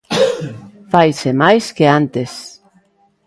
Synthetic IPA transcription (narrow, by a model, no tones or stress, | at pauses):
fajsemajskeant̪es